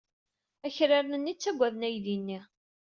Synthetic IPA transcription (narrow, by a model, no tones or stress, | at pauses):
æçɾaɾnənːit͡sːæɡʷːæðnæjðinːi